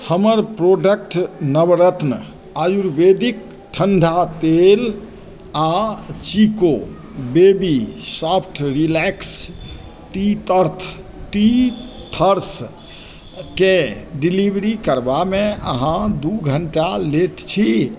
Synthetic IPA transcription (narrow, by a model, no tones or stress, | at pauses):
həməɾpɾoɖək̚ʈnəbɾət̪n | ajuɾbed̪ik̚ | ʈʰəɳɖʱat̪el | at͡ʃiko | bebisapʰʈʰɾilɛks | ʈit̪əɾt̪ʰʈit̪ʰəɾs | keɖilibɾikəɾbamẽəɦãd̪uɡʱəɳʈaleʈt͡ʃʰi